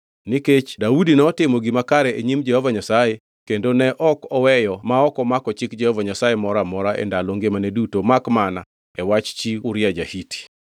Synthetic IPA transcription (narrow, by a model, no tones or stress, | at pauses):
niket͡ʃdaudinɛɔtɪmɔɡimakaɾɛeɲimd͡ʒɛhɔvaɲasaje | kendonɛʔɔkɔwɛjɔmaɔkɔmakɔt͡ʃɪkd͡ʒɛhɔvaɲasajemɔɾamɔɾaʔɛ̰ndaloŋɡemanedutomakmana | ɛwat͡ʃt͡ʃiʊɾjad͡ʒa̰hiti̥